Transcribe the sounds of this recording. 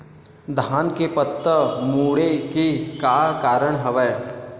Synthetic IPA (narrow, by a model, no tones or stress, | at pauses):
d̪ʱaːnkepət̪ːəmuːɽekekaːkaːɾəɽ̃ɦəʋɛː